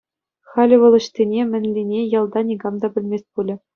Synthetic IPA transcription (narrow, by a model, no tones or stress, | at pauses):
xɑlʲɘ̆ʋɤ̆lˠɤ̆ɕt̪ʲenʲemʲɘ̆nʲlʲinʲejɑlˠd̪ɑnʲiɡɑmd̪ɑbʲɘ̆lʲmʲesʲt̚ʲpulʲɘ̆